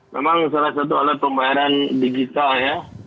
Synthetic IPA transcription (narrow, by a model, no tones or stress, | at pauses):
mḛmaŋsalasat̪̬ua̰lapəmbaaɾandiɡit̪alja